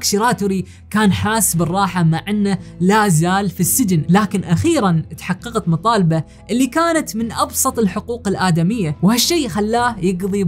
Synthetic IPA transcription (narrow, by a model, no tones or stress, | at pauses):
kʃiɾaːt̪ʊɾi | kaːnħaːsbɪrˤːɑːħamaʕɪnːalazaːlfisːɪd͡ʒɪnlaːkɪnʔaxiːɾant̪ħɑqːɑqt̪mɑt̪ˤɑːlba | ʔɪlːikaːnat̪mɪnʔɑbsˤɑt̪ˤɪlħʊquːqɪlʔaːd̪amɪjːawhaʃːiːxalːaːjɪɡðˤi